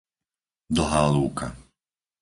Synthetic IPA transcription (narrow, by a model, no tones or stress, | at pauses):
d̪l̩ɦaːluːkʰa